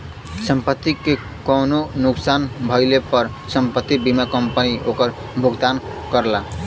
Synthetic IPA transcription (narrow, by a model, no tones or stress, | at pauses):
səmpət̪ːike | kononuksanbʱʌɪlepʌɾ | səmpət̪ːibimakʌmpəniokəɾ | bʱuɡd̪an | kʌɾla